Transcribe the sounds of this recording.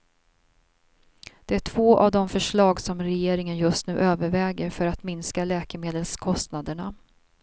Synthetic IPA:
d̪̥ɛæʈʰv̥oːʔa̰vd̪ɔmfœʂɭɑːɡsɔmɾɛjeːɾɪŋənjɵst̪nʉ̟ːʔøːvəɾvɛːɡəɾfœɾat̪mɪnskalɛːkəmeːd̪əlskʰɔst̪nad̪əɳa

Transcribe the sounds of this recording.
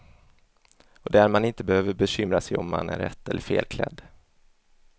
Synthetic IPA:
ɔd̪ɛæɾmanɪnt̪əbɛhøːvəɾbɛɕʏmɾasɛjɔmːa̰næɾːɛt̪ːɛlːəɾfeːlkʰlɛ̰d̪ː

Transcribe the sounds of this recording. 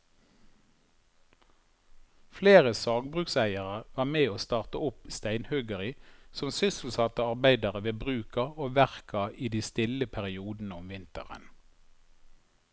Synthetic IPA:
fleːʁəsɑːɡbʁʉːksæɪəʁəʋɑːmeːoːst̪ɑːʁt̪əʊpst̪æɪnhœɡəʁɪsɔmsʏsl̩sɑt̪əɑʁbæɪd̪ɑʁəʋeːbʁʉːkɑoːʋæʁkɑʔiːd̪iːst̪ɪləpʰæʁɪuːd̪n̩əʊmʋɪnt̪ə̰ʁə̰n

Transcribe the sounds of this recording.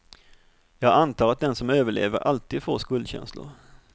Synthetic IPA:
jɑːɡant̪ʰɑːɾat̪̚d̪ɛnsɔmøːvəɭḛːvəɾʔalt̪iːd̪foːʂkɵld̪ɕɛ̰nslʊ̰ɾ

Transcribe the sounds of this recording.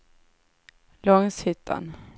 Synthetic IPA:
lɔŋshʏt̪ʰːa̰n

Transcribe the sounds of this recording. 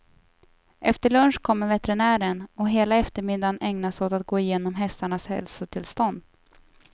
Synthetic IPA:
ʔɛft̪əɭɵnʂkʰɔmːəɾvɛt̪ɛɾɪnæːɾənɔɦeːlaɛft̪əɾmɪd̪ːanɛŋnasoːt̪at̪̚ɡoːɪjeːnɔmɦɛst̪aɳashɛ̰lsʊt̪ʰɪlst̪ɔnd̪

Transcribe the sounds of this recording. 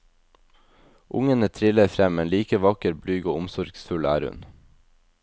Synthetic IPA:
ʔʊ̰ŋənət̪ʰɾɪləfɾɛmmɛnliːkəʋɑkəɾblyːɡoːʊmsɔɾɡsfʉlæ̰ːɾʉ̰n

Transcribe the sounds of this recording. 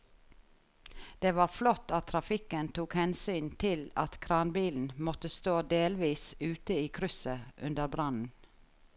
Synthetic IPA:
d̪̥eːʋɑːɾflɔt̪ːɑt̪ʰɾɑfɪkənt̪ʰuːkhɛnsyːnt̪ʰɪlɑt̪kʰɾɑːnbiːln̩mɔt̪əst̪oːd̪eːlʋiːsʉːt̪əiːkʰɾʏsəʔʉ̰nd̪əɾbɾɑnn̩

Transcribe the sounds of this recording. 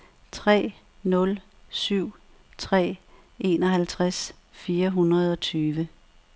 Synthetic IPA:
t͡sʰʁɛ̰ː | nɔ̽l | syʊ̰ | t͡sʰʁɛ̰ː | e̝nɒ̽ɦælt͡sʰʁas | fiːɐɦunʁɐð̞ˠɒ̽t͡sʰyːʋə

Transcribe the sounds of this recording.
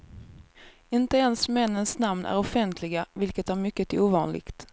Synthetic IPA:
ɪnt̪əɛnsmɛnːənsnamnʔæ̰ɾɔfɛnt̪ʰlɪɡavɪlkət̪æɾmʏkːət̪ʰɪuːvɑːnlɪ̰ɡt̪

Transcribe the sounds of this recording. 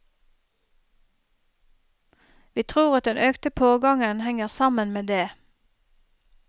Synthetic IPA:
ʋiːt̪ʰʁuːʁɑt̪̚d̪ɛnʔøːkt̪əpʰoːɡɑŋənhɛŋəʁsɑmənmeːd̪eː

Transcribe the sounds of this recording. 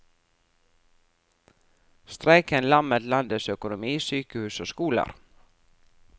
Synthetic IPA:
st̪ɾæɪkənlɑmət̪lɑnd̪əsœkʊnʊmiːsyːkəhʉːsoːskuːlə̰ɾ

